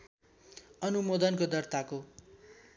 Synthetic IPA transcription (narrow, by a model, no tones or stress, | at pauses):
ʌnumod̪ʌnkod̪ʌrt̪ako